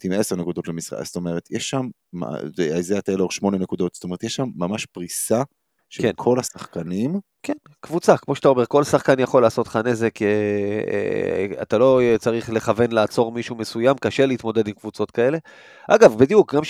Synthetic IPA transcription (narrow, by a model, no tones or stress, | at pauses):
timeseʁnekud̪o̞t̪lemisʁa̰a̰st̪ome̞ʁet̪jeʃːamː | a̰veazeat̪aloʁʃmo̞nenekud̪o̞t̪st̪omeet̪jeʃːamːamaʃpʁisa | ʃekenkʰo̞lasaχkanim | kʰenkvut͡sakmo̞ʃeat̪ao̞me̞ʁko̞lsaχkanjaχo̞laːso̞t̪χane̞ze̞kḛ | a̰t̪alo̞t͡saʁiχle̞χave̞nlaːt͡so̞ʁmiʃume̞sujamkaʃe̞leit̪mo̞d̪ed̪imkvut͡so̞t̪kae̞le̞ | ʔaɡavbid̪ijuk̚ɡam